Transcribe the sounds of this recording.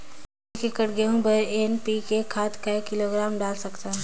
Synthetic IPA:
kekəʈɡeɦũbɐenpikekʰaːt̪kaekɪloːɡɾaːmɖaːlsɐkt̪aɦɛ

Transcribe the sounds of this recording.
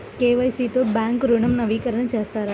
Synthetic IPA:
keʋəjsit̪obãŋkɾuɳəmnəʋikəɾəɳ̃d͡ʒast̪aɾa

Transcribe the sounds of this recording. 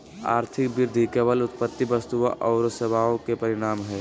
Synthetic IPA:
a̰ːɾt̪ʰɪkbɪɾd̪ʱikeʋəlʊt̪pət̪ːibəst̪uʔɔːɾseʋaːõkepɐɾɪɽ̃aːmɦɛː

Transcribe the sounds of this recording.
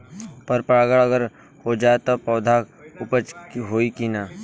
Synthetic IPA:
pɐɾpɾaːɡəɭəɡəɾ | hod͡ʒaːet̪opɔːd̪ʱaʊpət͡ʃɦoːikinaː

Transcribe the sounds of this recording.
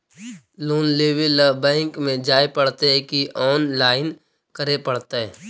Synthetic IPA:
loːnleːʋɪlbɛ̃ːŋkmẽd͡ʒaːepɐɽt̪eɦɛ̃kiʔɔːnlaːɪn | kəɾepɐɽt̪eɦɛː

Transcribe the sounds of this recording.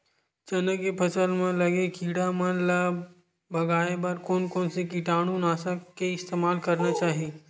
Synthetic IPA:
t͡ʃɐnəkːepʰɐsəlmẽlɐɡekʰiːɽamə̃lə | bɐɡaːebɐɾkoːnkoːnsek̬iʈaːɽ̃ũnaːsakeɪst̪eːmaːlkɐɾnat͡ʃaːɦieː

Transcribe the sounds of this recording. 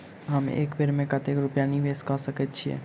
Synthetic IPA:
ɦəmḛːkbeɾmẽkat̪ekɾʊpjaniʋeːskɔsəkɛt̪̚t͡ʃʰiḛ

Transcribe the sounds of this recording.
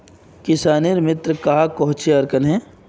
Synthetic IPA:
kɪsaːniɾmɪt̪ɾkaɦakɔɦʊt͡ʃeɐɾkənɦɛ̃ː

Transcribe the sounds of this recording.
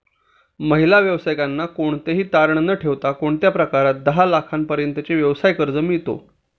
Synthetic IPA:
məɦilaʋjəʋsajkanːakoɳt̪eɦiːt̪aɾɳnəʈʰeʋt̪akoɳt̪japɾəkaɾat̪̚d̪əɦalakʰanpəɾjənt̪ət͡ɕeʋjəʋsajkəɾd͡zəmit̪o̰

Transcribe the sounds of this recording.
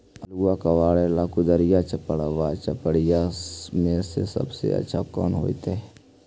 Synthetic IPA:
ɐluakɐʋaːɭelaːkud̪əɾijat͡ʃəpəɽəʋat͡ʃəpəɽijamẽsḛsɐ̰bsḛɐ̰tːʃʰakɔ̰ːnɦo̰ːit̪e

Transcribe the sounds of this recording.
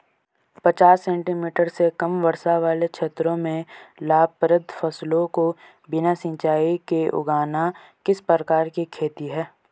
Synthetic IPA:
pɐt͡ʃaːsːɛ̃ːɳʈimiːʈəɾsekɐmʋɐɾsaʋaːlekʃʰeːt̪ɾõmẽlaːpɾəd̪ʱfɐslõko | bɪnasɪ̃ɲt͡ʃaːikeʔʊ̰ɡaːna | kɪspəɾəkaːɾkikʰeːt̪iɦɛː

